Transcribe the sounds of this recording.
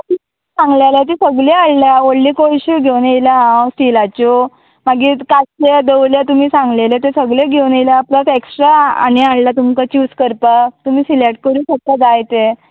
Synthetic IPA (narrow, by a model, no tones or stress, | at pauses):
t̪umiisãŋɡlelat̪̬isəɡleaɭlaʋoɽliːkojɕiɡʱewnelaɦãsʈilat͡ɕo | maɡiːkated̪ewljat̪um̤iːsãŋɡlelet̪esəɡleɡʱewnejlapləseksʈɾa̰ːniaɽlat̪umkat͡ɕiːskəɾpat̪um̤iːsileʈ̚kəɾũːnsəkːad͡zajt̪e